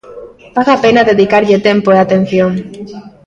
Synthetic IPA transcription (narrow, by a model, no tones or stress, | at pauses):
baðapenaðeðikaɾʎet̪empoeat̪en̟θjoŋ